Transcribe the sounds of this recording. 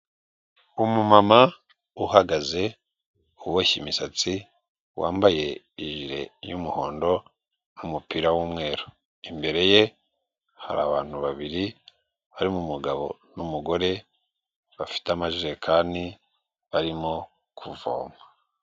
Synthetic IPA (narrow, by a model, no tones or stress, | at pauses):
umumama | uhaɡaze̞ | uβwoçimisat͡si | waːmbaje̞ | iʒiɾe̞̰jumuho̞ːndo̞ | numupiɾawuːmŋe̞ːɾo | imbe̞ɾe̞je̞ | ha̰ɾaːβaːn̥huβaβiɾi | βaɾimumuɡaβo̞̰numuɡo̞ɾe̞ | βafi̥tamaʒiɾe̞kʰaːni | βaɾimo | kʰuvo̰ːma